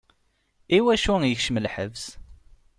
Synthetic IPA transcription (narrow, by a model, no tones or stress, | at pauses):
iwæʃujəçʃəmlħəvs